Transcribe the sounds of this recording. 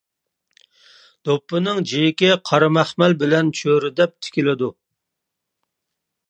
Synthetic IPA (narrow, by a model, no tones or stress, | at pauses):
d̪̥opːɨnɨŋd͡ʒejɪkʲɛqʰɑɾɑmæχmɛlbɪlɛnt͡ʃʰøɾɪd̪ɛp̚t̪ʰɪ̥kʲilɪd̪u